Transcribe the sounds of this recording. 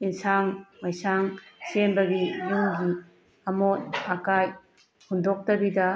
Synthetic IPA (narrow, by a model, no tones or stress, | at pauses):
insaŋmajsaŋsembɐɡijuŋɡi | ɐmot̚akaj | hundok̚tɐbidɐ